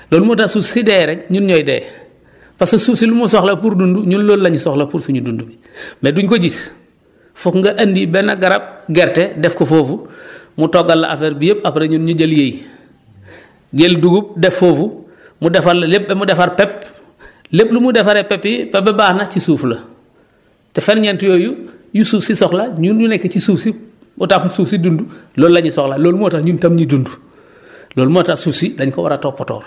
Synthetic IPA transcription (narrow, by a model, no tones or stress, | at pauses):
loːlmotasusidɛːɾɛɲunɲɔjdɛ̰ː | pasususilumusɔxlɐpuːɾdunduɲunloːllɐɲsɔxlɐpuːɾsuɲudundubi | meduɲkoɟis | fukŋɡɐʔɐndibɛnɐɡaɾɐb̚ɡɛɾtɛdɛfkofoːfu | mutɔɡalːɐ̰ʔa̰fɛɾbijepɐpɾeɲunɲuɟeljej | ɟelduɡup̚dɛfːoːfu | mudɛfaɾlɐlep̚bemudefaɾpɛp̚ | leplumudefaɾepɛpːipɛpːebaːhnɐcisuːflɐ | tɛfenɲentujoːjujusuːfsisɔxlaɲuːnɲunɛkːecisuːfsi | mutakmusuːfsidunduloːlːaɲisɔxlaloːlmoːtaɲuntamɲidundu | loːlmuatasuːfsidɐɲkowa̰ɾatoːpɔto̰ːɾ